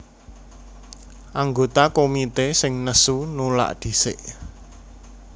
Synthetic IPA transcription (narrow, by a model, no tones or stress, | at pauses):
ʔaŋɡot̪akomit̪esɪŋnəsunula̰ʔd̪̥i̤sɪ̰ʔ